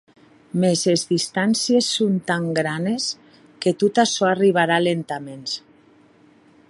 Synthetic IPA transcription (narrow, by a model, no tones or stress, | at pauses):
mezezðist̪ansiesːont̪aŋɡɾanes | ket̪ut̪asɔariβ̞aɾalent̪amens